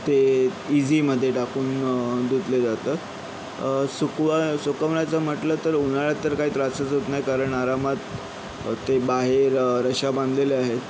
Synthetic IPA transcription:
t̪eid͡ziməd̪ʱːjeʈakuːnd̪ud̪led͡zat̪ət̪ | sukʋasukəʋnat͡səm̤əʈləːt̪əɾunaɭjat̪ːəɾkaɦiːt̪ɾat͡sət͡sut̪najkaɾəɳaɾamat̪ː | ebaɦeɾɾəɕabãnd̪leleaɦet̪

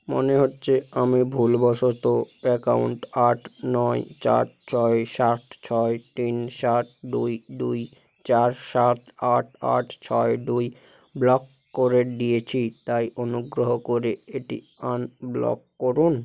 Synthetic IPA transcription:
mo̰neɦotːɕʰeamibʱulbɔʃot̪oɛkawɳʈaʈʰnɔet͡ɕa̰ʈ̚t͡ɕʰɔeʃaʈ̚ʰt͡ɕʰɔet̪inʃaʈ̚dujduj | t͡ɕaɾʃat̪aʈʰa̰ʈʰt͡ɕʰɔeɖuj | blɔkː | kːoɾeɖijet͡ɕʰit̪ajonuɡɾoɦokoɾeeʈḭ | anblɔ̰kːoɾun

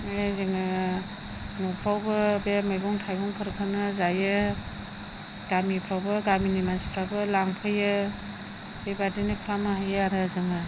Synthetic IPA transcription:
ezɯŋɯ | nɔpʰɾawbɯbemajbɔŋtʰajbɔŋpʰɯɾkʰɯnɯzajɯ | ɡ̥amipʰɾawbɯɡaminimanspʰɾabɯlaŋpʰɯjɯ | bebadinɯkʰɾamaɦajɯaɾɯzɯŋɯ

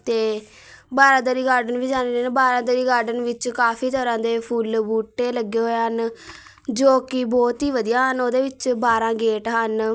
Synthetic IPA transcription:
t̪eː | baːɾãːd̪əɾiːɡaːɾɖənʋiːd͡ʒaːnɾenbaːɾãːd̪əɾiːɡaːɾɖənʋɪt͡ʃkaːpʰiːt̪əɾãːd̪eːpʰuːlbuːʈːeːləɡeːɦoːeɦən | d͡ʒoːkiːbɔːt̪ɦiːʋəd̪ijãːɦənoːd̪eːʋɪt͡ʃbaːɾãːɡeːʈɦən

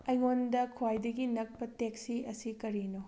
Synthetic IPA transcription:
ɐjŋondɐkʰwajdɐɡinɐk̚pɐteksiɐsikɐɾino

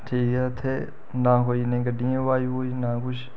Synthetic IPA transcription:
ʈʰiːkɛət̪ʰeː | nãːkoːiːnẽːɡəɖɪjãːʋaːioːinãːkʊʃ

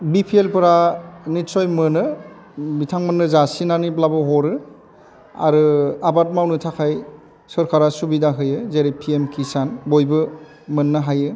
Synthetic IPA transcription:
bipʰielpɯɾanitsɔjmɯnɯ | bitʰaŋmɯnːɯzasinaniblabɯɦɔɾɯ | a̰ɾɯabat̚mawnɯtʰakʰaj | sɯɾkʰaɾasubidaɦɯjɯzeɾipʰiemkʰisanbojbɯ | mɯnːɯɦajɯ

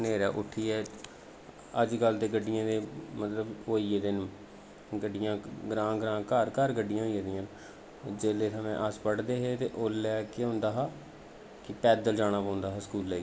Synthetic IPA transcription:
neːɾɛːʔʊʈʰːiːɛː | əd͡ʒɡəld̪eːɡəɖːɪjãːd̪eːmət̪ləboːiːed̪ɪn | ɡəɖːɪjãːɡɾãːɡɾãːkəɾkəɾɡəɖːɪjãːɦoieːd̪ɪjãːn | d͡ʒeːleːt̪əmẽːʔəspəɽd̪eːɦeːt̪eːʔoːlɛːkeːɦʊ̃nd̪aːɦaː | kɪpɛːd̪əld͡ʒaːɽaːpõːnd̪aːɦaːskuːlːeːi

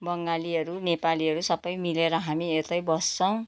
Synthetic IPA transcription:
bʌŋɡaliɦʌɾunepaliʌɾusʌbʌjmileɾʌɦamiet̪ʌjbʌst͡sʰʌw̃

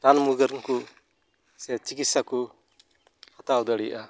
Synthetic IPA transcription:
t̪anmuɡəɾŋku | sɛt͡ʃikit̪saku | at̪aud̪əɽijʔa

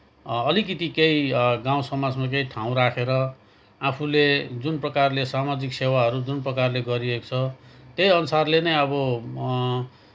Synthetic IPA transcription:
ʌlikit̪ikejiɡãw̃sʌmad͡zmak̬eiʈʰaw̃ɾakʰeɾʌ | apʰuled͡zunprʌkarlesamad͡ziksewaɦʌɾud͡zunprʌkarleɡʌɾieko̥t͡sʰʌt̪jejʌnusarlenʌjʌbʌ

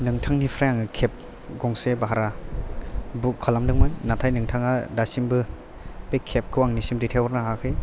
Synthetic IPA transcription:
nɯŋtʰaŋnipʰɾajaŋɯkʰep̚ | ɡɔŋsebaɦaɾa | bukʰːalamdɯŋmajnatʰajnɯŋtʰaŋadasimbɯ | pejkʰep̚kʰɯwaŋnisimdɯtʰewɔɾnaɦakʰɯj

